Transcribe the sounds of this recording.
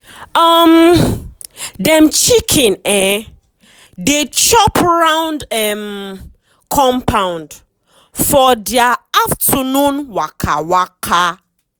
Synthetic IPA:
ɔm | dɛ̃mt͡ʃikʰĩnɛ | det͡ʃɔpɹãw̃ndɛm | kʰɔ̃mpʰãwʊ̃nd | fɔdiaaftʰənũnwakʰa̰wakʰa

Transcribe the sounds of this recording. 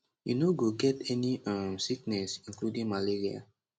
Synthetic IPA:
jṵnoɡoɡɛtɛniãmsiknɛsĩnkludĩŋmaliɹia̰

